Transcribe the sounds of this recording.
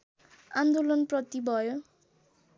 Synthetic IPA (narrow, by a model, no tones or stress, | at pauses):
and̪olʌnprʌt̪ibʱʌjo